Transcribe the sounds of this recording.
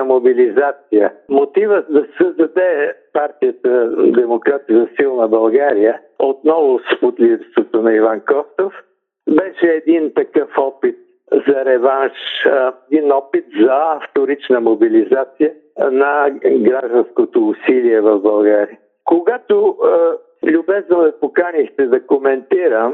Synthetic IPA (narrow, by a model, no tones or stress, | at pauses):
mobilizat̪sijəmot̪ivəd̪ɐsəzd̪ɐd̪ɛpaɾt̪ijət̪əd̪ɛmokɾat̪izɐsilˠnɐbɐlˠɡaɾijə | ot̪nɔvʊspʊt̪lʲivst̪vot̪onɐivankɔst̪of | bɛʃɛːd̪int̪ɐkəfɔpit̪̚ | zɐɾɛvanʃɛd̪inɔpit̪zɐɐft̪oɾit͡ʃnəmobilizat̪sijə | nɐɡɾaʒd̪ənskot̪oːsiliɛvɐvbɐlˠɡaɾiə | koɡat̪o | lʲʊbɛznovɛpokanixt̪ɛd̪ɐkomɛnt̪iɾəm